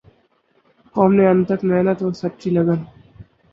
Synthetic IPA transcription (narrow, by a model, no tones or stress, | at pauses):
kɔːmneɐ̃nt̪əkmɛɦnət̪ɦõːsɐtːt͡ʃilɐɡən